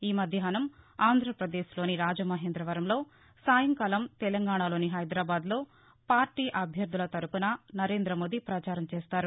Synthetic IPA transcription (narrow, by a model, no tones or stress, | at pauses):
iːmɐd̪ʱjɐɦɐnɐmaːnd̪ʱɾɐpɾɐd̪eːʃlo̞ːniɾaːd͡ʒɐmɐɦeːnd̪ɾɐʋɐɾɐmlo̞ː | saːjɐŋkɐːlɐmt̪ɛlɐŋɡaːɳalo̞ːniɦɐjd̪ɾaːbaːd̪lo̞ː | paːɾʈiːʔɐbʱjɐɾd̪ulɐt̪ɐɾupunɐnɐɾe̞ːnd̪ɾɐmo̞ːd̪ipɾɐt͡ʃaːɾɐmt͡ʃeːst̪aːɾu